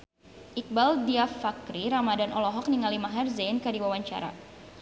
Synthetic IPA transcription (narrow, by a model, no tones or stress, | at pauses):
ʔik̚baldiafakɾiɾamadanʔɔlɔɦɔk̚niŋalimaɦɛrzainkadiwawaɲt͡ʃa̰ɾa̰